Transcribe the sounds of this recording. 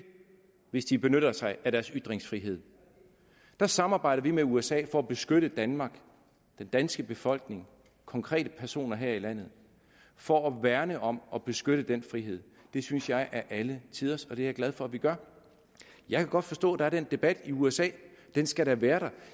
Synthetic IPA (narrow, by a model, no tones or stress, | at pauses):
ʋe̝sd̥ib̥e̝nøɾɐsɑ̈ɪæɾ̥æɐsyd̥ʁeŋsfʁiɦe̝ð̞̰ˠ | d̥ɑ̈sɑ̈mɑ̈ːb̥ɑ̈ɪ̰ɾ̥ɐʋimeuesɛ̰ːfɒ̽æb̥e̝sɡ̥øɾ̥əd̥ænmɑ̈ːɡ̥ | d̥end̥ænsɡ̥əb̥e̝fɒ̽l̰ɡ̥ne̝ŋ | kʰɒ̽ŋkʰʁɛ̰ːɾ̥əpʰæɐso̝̰ːnɐɦeɐ̰ilæn̰ð̩ˠ | fɒ̽æʋæɐnəʔɒ̽mʔɒ̽b̥e̝sɡ̥øɾ̥əd̥enfʁiɦe̝ð̰ˠ | d̥e̝synsjɑ̈ɪʔæɐʔælət͡sʰiðˠɐsɒ̽d̥e̝æɐɡ̥læð̞ˠfɒ̽æʋiɡ̥ɶɐ | jɑ̈ɪkʰæɡ̥ɒ̽d̥fɒ̽sd̥ɔ̰ːd̥ɑ̈æɐd̥end̥e̝b̥æd̥iuesɛ̰ːd̥ensɡ̥æɾæʋæːɐɾ̥ɑ